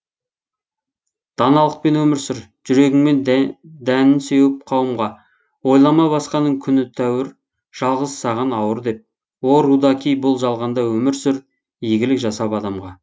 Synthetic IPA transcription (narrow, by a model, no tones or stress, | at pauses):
d̪̥ɑnɑlˠəq̚pe̞nwɵmɪɾsɪɾʒ̥ʏɾe̞ɡʲɪŋme̞nd̪ænɪnsewɪp̚qʰɑwəmʁɑ | wo̞jlˠɑmɑbɑsqɑnːəɴkʲʰʏnɪt̪ʰæwɪɾ | ʒ̥ɑlˠʁəzsɑʁɑnɑwəɾd̪e̞p̚ | woɾud̪ɑkʲijbʊlˠʒɑlˠʁɑnd̪ɑwɵmɪɾsʏɾ | ijɡʲɪlɪkʒɑsɑpɑd̪ɑmʁɑ